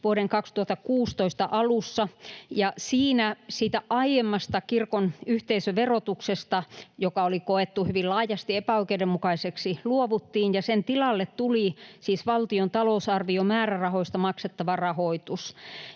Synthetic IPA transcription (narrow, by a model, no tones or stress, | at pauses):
ʋuoɾeŋkɑkst̪uɑt̪ːɑkuːst̪oist̪ɑʔɑlusːɑjɑsiːnæsiːt̪æʔɑiemːɑst̪ɑkirkonyht̪eisøʋerot̪uksest̪ɑjokɑolikoet̪ːuhyʋillɑːjɑst̪iepæoikeidemukɑiseksiluoʋut̪ːiːnjɑsent̪ilɑlːet̪t̪ulisiːsʋɑlt̪iont̪ɑlousɑrʋiomæːrærɑhoist̪ɑmɑkset̪ːɑʋɑrɑhoit̪us